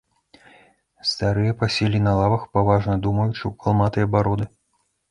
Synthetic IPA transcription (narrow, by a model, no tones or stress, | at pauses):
st̪aɾɨjɐpasʲɛlʲinɐlˠavɐxpavaʐnɐd̪umɐjut͡ʂɨwkalˠmat̪ɐjɐbaɾɔd̪ɨ